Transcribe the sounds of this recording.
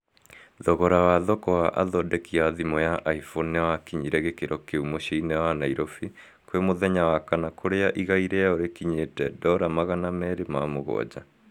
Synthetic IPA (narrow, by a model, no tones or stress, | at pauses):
ðɔɣɔɾawaðɔkɔwaʔa̰ðɔdɛkiaðimɔjaʔaifonewakiɲiɾɛɣekeɾɔkeumoɕiinɛwanaiɾofi | kwemoðɛɲawakanakoɾeaʔiɣaiɾɛaoɾekiɲetɛdɔɾamaɣanamɛɾemamoɣɔ̰d͡ʑa